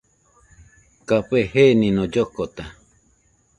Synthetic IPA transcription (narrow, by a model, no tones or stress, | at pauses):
kapehenĩnõd͡ʒokot̪a